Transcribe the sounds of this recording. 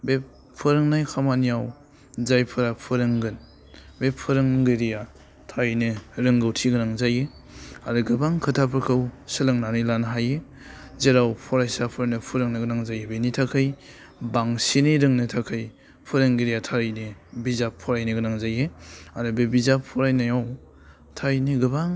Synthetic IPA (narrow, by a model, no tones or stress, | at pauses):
bep | pʰːɯɾɯŋnajkʰamanijaw | zajpʰɯɾapʰɯɾɯŋɡɯn | bepʰɯɾɯŋɡɯɾija | tʰaɾjnɯɾɯŋɡɯwtʰiɡɯnaŋzaje | aɾɯɡɯbaŋkʰɯtʰapʰɯkʰɯwsɯlɯŋnanɯjlanɦaje | zeɾawpʰɔɾajsapʰɯɾanɯpʰuɾɯŋnɯɡɯnaŋzajebenitʰakʰɯj | baŋsiniɾɯŋnɯtʰakʰɯj | pʰuɾɯŋɡiɾijatʰaɾjnibizapʰːɔɾajnɯɡɯnaŋzajeaɾɯbebizapʰːɔɾajnajaw | tʰajniɡɯbaŋ